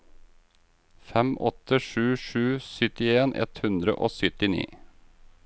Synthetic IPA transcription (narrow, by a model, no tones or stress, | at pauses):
fɛmʔɔt̪əʂʉːʃʉːsʏt̪ɪeːnʔɛ̰t̪hʉnd̪ɾə̰ʔoːsʏt̪ɪnḭː